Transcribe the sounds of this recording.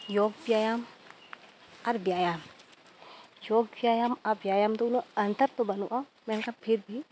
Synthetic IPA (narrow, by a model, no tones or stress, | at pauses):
joːɡbjaːjaːm | ɐɾbjaːjaːm | joːɡ̚bjaːjaːmɐɾbjaːjaːmt̪ounoɐnt̪əɾt̪obɐnoʔa | mɛnkapʰɪɾbʱi